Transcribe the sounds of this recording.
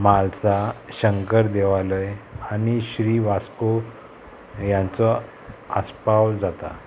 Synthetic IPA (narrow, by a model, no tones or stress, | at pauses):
malt͡saɕəŋkəɾd̪eʋaləjañiɕɾiʋasko | jãnt͡sɔ | aspawd͡zat̪a̰